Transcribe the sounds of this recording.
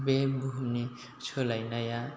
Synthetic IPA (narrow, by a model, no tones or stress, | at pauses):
bebuɦni | t͡ʃʰolajnaja